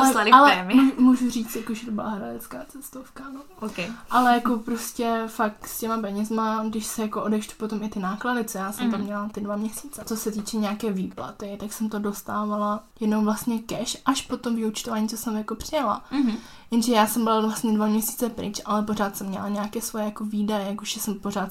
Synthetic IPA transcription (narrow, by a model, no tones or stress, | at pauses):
alɛalɛmumuːʒuriːt͡st̪jakoʒɛt̪obɪla̰ɦɾadɛt͡skaːt͡sɛst̪ofkanookɛjʔalɛjako̞pɾoscɛfakscɛmapɛɲɛzmaɡdɪʃsɛjako̞ʔodɛxʃt̪u̥pot̪o̞mɪt̪ɪnaːkladɪt͡sojaːsɛmt̪amɲɛlat̪ɪdvamɲɛsi̥ːt͡sɛt͡sosɛt̪iːt͡ʃɛɲɛakɛːviːpla̰t̪ɪt̪aksɛmt̪o̞do̞st̪aːvalajɛdnowvlast̪ɲɛkɛʃʔaʃpot̪omvɪut͡ʃt̪ovaːɲit͡sosɛmjakopr̥ɪjala̰ | jɛnʒɛjaːsɛmbɪlavlast̪ɲɛdvamɲɛsi̥ːt͡sɛpɾɪ̰t͡ʃʔalɛp̬o̞raːt̪sɛmːɲɛ̰laɲaːkɛːsvo̞jɛjakoviːdajɛjakoʒ̥ɛsɛmpo̞r̝aːt̪